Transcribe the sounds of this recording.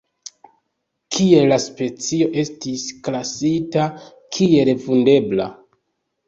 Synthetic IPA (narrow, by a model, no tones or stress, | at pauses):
kʰie̞laspe̞t͡sio̞ʔe̞stisklasita | kʰie̞lefunde̞bla̰